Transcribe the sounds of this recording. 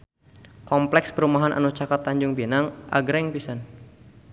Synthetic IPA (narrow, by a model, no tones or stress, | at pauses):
kɔmplɛksbəɾumaɦanʔa̰nut͡ʃakat̪ːaɲd͡ʒʊŋbenaŋʔa̰ɡɾɪŋpisan